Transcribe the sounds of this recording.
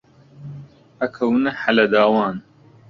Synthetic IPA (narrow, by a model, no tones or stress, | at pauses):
ɐkʰɐwnɐħalɐd̪aːwaːn